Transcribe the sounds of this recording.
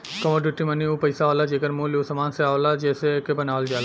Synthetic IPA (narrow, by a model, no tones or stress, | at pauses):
kɔmoɖuʈimɐniũpəjsaːʋlad͡ʒeːkəɾmũleusəmaːnseaːʋlad͡ʒeːsekebənaːʋəld͡ʒaːla